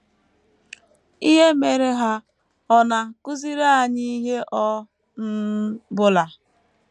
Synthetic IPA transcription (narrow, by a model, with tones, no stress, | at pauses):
i˦ɦe˦me˨ɾe˦ɦa˦ | ɔ˦na˨kʊ˦zi˦ɾa˦a˨ɲi˦ɦe˦ʔɔ˦ | n̩˦bʊ˦la˨